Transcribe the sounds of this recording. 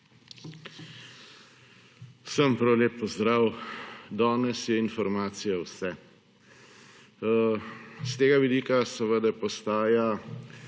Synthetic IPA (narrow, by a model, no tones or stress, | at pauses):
səmpɾawlʲeːpːɔzd̪ɾaːwd̪aːnɛsjɛinfɔɾmaːt̪sijawsɛ | st̪eːɡaʋid̪iːkasɛʋəd̪apɔst̪aːja